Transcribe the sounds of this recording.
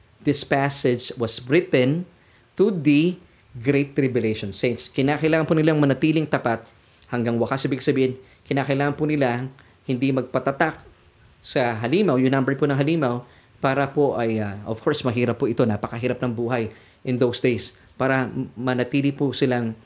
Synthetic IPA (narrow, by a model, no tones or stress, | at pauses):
ðɪspasɛd͡ʒwɐsɹɪt̪ɛ̃n | t̪ud̪ɐ | ɡɾeɪt̪ːɾɪbjʊlejʃonsẽjnt̪skɪnaːkɐʔɪlaːŋɐnpʊnɪlaŋmɐnɐt̪iːlɪŋt̪ɐpat̪̚ | hɐŋɡaŋwɐkasɐbiɪɪɡsɐbiːhɪn | kɪnaːkɐʔɪlaːŋɐnpʊnɪla | hɪnd̪imɐɡ̚pɐt̪ɐt̪ak̚ | sɐɦɐliːmɐwjʊŋnambɛɹponɐŋɦɐliːmɐw | paːɾɐpoʔɐjaʔov̥kʰo̞ɹsmɐɦiːɾɐpːʊʔɪt̪o̞napɐkɐɦiːɾɐp̚nɐŋbuːɦɐj | ʔɪnd̪owsd̪ejs | paːɾɐmɐnɐt̪iːlɪpʊsɪlaŋ